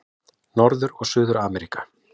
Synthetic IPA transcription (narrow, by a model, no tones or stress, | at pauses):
nɔɾðʏɾɔɣsʏːðʏɾaːmɛɾikḁ